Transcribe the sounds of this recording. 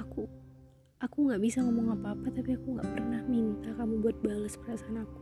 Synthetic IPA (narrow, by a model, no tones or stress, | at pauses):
aku | akuŋɡaʔbisaŋəmuŋapaːpat̪apiakuŋɡa̰ʔpərnahmint̪akamubuat̪̚balaspəɾasaanaku̥